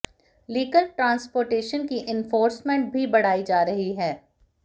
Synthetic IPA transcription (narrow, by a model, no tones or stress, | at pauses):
liːɡəlʈɾãːnspoːɾʈeːʃənkiʔɪnfoːɾsmẽɳʈ̚bʱibɐɽ̤aːid͡ʒaːɾɐɦiɦɛː